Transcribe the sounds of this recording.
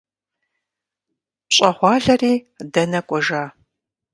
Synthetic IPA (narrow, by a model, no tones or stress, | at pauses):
ɕʼɐχʷɑːɮɐriː | dɐnɐkʷʼɔʒaː